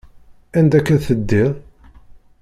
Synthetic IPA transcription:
ænd̪ækːæðθəd̪ːiʁ

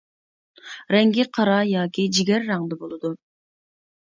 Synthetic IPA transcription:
ɾɛŋɡʲiqʰɑɾɑjɑːkʲid͡ʒiɡʲɛɾːɑŋd̪əbolˠɨd̪u

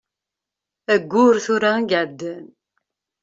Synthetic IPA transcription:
æɡʷːʊɾθuɾæɡʕd̪ːən

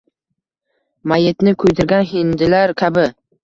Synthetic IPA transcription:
majɪt̪nɪkʰʊjt̪ʰɪɾɡʲanɦɪnd̪ɪlaɾkʲʰabɪ

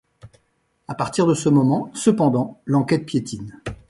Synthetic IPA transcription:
apaʁt̪iʁd̪əsəmɔmɑ̃səpɑ̃d̪ɑ̃lɑ̃kʲɛt̪̚pjet̪ʰin

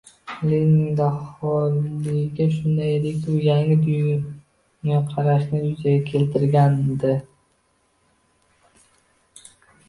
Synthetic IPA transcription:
lenɪŋd̪ahɒlɪɡʲaʃʊnd̪ajd̪ɪkʲbʊjaŋɪd̪ʊj | ŋaqʰɑɾaʃnɪjʊzaɡʲakʲʰe̞lt̪ʰɪɾɡʲand̪ɪ

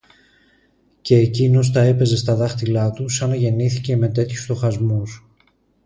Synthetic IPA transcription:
ce̞ːcino̞s̬t̪ɐe̞pe̞ze̞st̪ɐðɐxt̪ilɐt̪usɐnɐʝe̞niθice̞me̞t̪e̞t̪çu̥st̪o̞xɐzmus

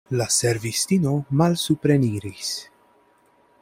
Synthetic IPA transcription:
lasɛɾvist̪inomalsupɾeniːɾis

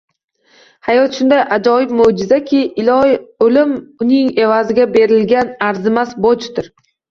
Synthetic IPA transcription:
hajɒt̪ʃʊnd̪ajʔad͡ʒɒjɪb̚mʊd͡ʒɪzakʲʰɪɪlɒjolɪmʊnɪŋe̞vazɪɡʲabe̞ɾɪlɡʲanaɾzɪmasbot͡ʃt̪ɪɾ

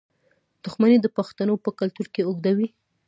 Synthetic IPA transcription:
d̪̥ʊxmaned̪əpaxt̪anopəkalt̪uɾkeoɡd̪awi

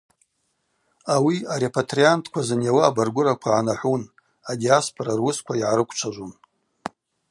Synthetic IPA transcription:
awiaɾe̞pʰatʰriantʰkʷʰazanjawaːbarɡʷʊɾakʷʰaʕanaħʷun | adijaspʰoɾarwʊskʷʰaiʕaɾɨkʷʰt͡ʃʷʰaʒʷun

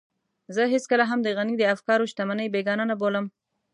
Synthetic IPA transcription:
zəɦɪskəlaɦamd̪əɣanid̪əafkɑɾoʃt̪amanəjbeɡɑnanaboləm

